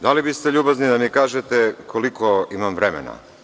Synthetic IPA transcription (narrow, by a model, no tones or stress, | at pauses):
d̪alibist̪eʎuːbaznid̪amikaːʒet̪ekʰolikoimamvɾemḛna̰